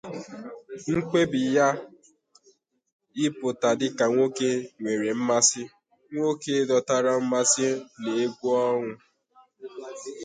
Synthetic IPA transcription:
ŋ̩˦k͡pe˦bɪ˨ja˦ | ɪ˦pʊ˨ta˨dɪ˦ka˨ŋʷo˦ke˦ŋʷe˨ɾe˨m̩˦ma˦sɪ˦ | ŋʷo˦ke˦dɔ˨ta˦ɾa˦m̩˦ma˦sɪ˦ne˨e˦ɡʷu˦ɔ˦ŋʊ˦

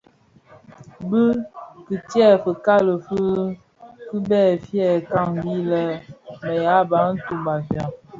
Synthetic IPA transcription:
bə˦ki˨tjɛ˦˨fə˨ka˦lə˨fə˦ | ki˦bɛ˦˨fjɛ˦˨ka˦˨ŋbi˦lɛ˦mə˨ja˨˦ba˨˦n̩˦tu˨ba˨fja˨

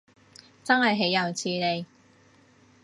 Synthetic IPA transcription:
t͡sɐ˥nɦɐ˨jɦe˨˥jːɐ˨wt͡sʰiː˧ne˨˧j

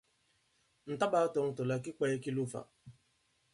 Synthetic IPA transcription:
n̩˨ta˦ba˦tɔ˨ŋ̩˨tʊ˨la˨kɪ˦k͡pa˦e˦kɪ˦lʊ˦fa̰˨

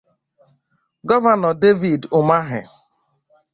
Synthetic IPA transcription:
ɡɔ˦va˨nɔ˨de˦vi˨dʊ˨ma˦ɦɪ̰˨

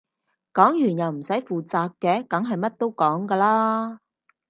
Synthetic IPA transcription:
kɔː˨˥ŋjyː˨˩njɐ˨wm̩˨˩sɐ˨˥jfuː˨t͡saː˨kːɛː˧kɐ˨˥ŋɦɐ˨jmɐ˥t̚t̪o˥wkɔː˨˥ŋkaː˧laː˥

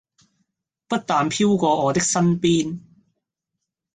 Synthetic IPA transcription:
pɐ˥t̚t̪aː˨npʰiː˥wkʷɔː˧ɔː˨˧t̪ɪ˥k̚sɐ˥npiː˥n

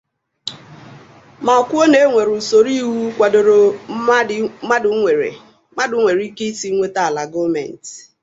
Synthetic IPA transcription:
ma˨ɔ˨kʷo˦ne˨˦ŋʷe˨ɾu˨so˨ɾi˦wu˦kʷa˨do˨ɾo˨˦ | ma˦dʊ˨e˨ḛ˨ | ma˦dʊ˨˦ŋʷe˨ɾi˦ke˦i˦si˦ŋʷe˦ta˨la˨ɡo˦mḛ˨n̩˨t

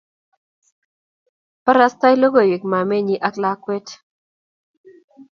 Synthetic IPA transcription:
pa˦ɾa˦st̪a˦jlo˦ɡo˨wi˨kma˨me˦ɲi˦ʔa˦kla˦kwe˦t

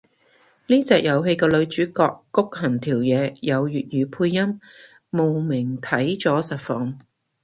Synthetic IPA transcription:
niː˥t͡sɛː˨k̚jɐ˨˧wɦe˧jkɛː˧lɵ˨˧ɥt͡ʃyː˨˥kɔː˧kːʊ˥k̚hɐ˨˩nt̪ʰiː˨˩wjɛː˨˧jɐ˨˧wjyː˨t̚jyː˨˧pʰuː˧jːɐ˥m | mo˨wmɪ˨˩ŋt̪ʰɐ˨˥jt͡sɔː˨˥sɐ˨t̚fɔː˨˧ŋ

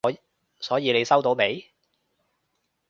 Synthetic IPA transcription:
sɔː˨˥jiː˨˧le˨˧jsɐ˥wt̪o˨˥wme˨˥j

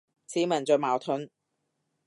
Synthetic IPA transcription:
t͡sʰiː˨˥mɐ˨˩nt͡sɔː˨˧maː˨˩wt̪ʰʊ˨˥n

